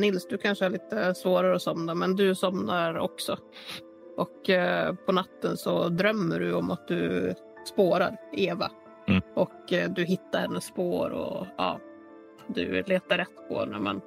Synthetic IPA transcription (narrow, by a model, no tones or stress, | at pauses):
nɪlsd̪ɵkʰanʂəæɭiːt̪əsvoːɾaɾəɔsɔmnamɛnd̪ɵsɔmnaɾɔksɔ | ʔɔkpʰɔnat̪ːənsɔd̪ɾœmːəɖɵɔmat̪̚d̪ɵ̰ | spoːɾa̰ɾeːva̰ | ʔɔkd̪ɵɦɪt̪ːaɾhɛnːəsːpoːɾɔ̰ɑ̰ː | d̪ɵ̰leːt̪aɾːɛt̪ːpʰɔ̰hɛ̰nːə̰mɛ̰n